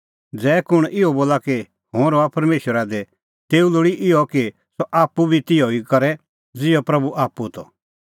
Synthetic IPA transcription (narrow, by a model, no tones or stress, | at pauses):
d͡zɛːkʊɽ̃ʔɪɔboːlaki | hõːɾoapɐɾmeːʃəɾad̪ɛ | t̪eːulʊɽiʔɪɔki | sɔʔaːpːubʱit̪ɪɔikɐɾɛ | d͡zɪɔpɾɐbuʔaːpːut̪ɔ̰